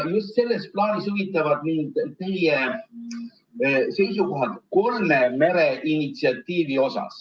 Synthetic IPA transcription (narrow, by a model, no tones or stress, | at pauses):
just̪se̞lːe̞splɑːnisuvit̪ˑːɑvɑd̪̥niːd̪̥t̪e̞je | se̞jsuko̞ɦɑt̪ko̞lmeme̞ɾeʔinit̪siɑt̪ːˑiːvio̞sɑ̰s